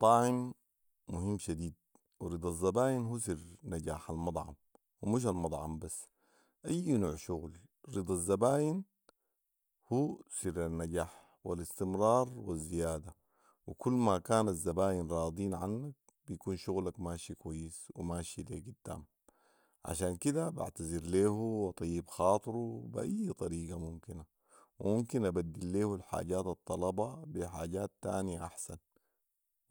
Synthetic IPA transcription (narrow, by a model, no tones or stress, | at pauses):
t̪ˤːɑːʕɪmː | uhimːʃad̪iːd̪̚ | wiɾɨd̪ˤɑzːabaːjinɦuːs̬iɾnːaɟaːħalmɑd̪ˤʕɑ̰m | wimiʃ̬almɑd̪ˤʕɑ̰mbasː | ʔajːnoːʕʃuɣl | ɾɨd̪ˤɑzːabaːjin | huːsiɾanːaɟaːħ | walist̪imɾˤɑːɾˤwizːijaːd̪a | wikulːmakaːnazːabaːjinɾˤɑːd̪ˤiːnʕanːak̚ | bijakuːnʃuɣlakmaːʃikwajːiswimaːʃileɡid̪̥ːa̰ːm | ʕa̰ʃaːnkid̪aba̰ʕt̪aziɾleːhuwɑt̪ˤɑjːibxɑːt̪ˤɨɾubiʔa̰jːt̪ˤɑɾiːɡamumkina | wimumkinʔabad̪ːilːeːhulħa̰ːɟaːt̪ɑt̪ˤːɑlɑbɑbiħaːɟaːt̪ːaːnijaʔaħsan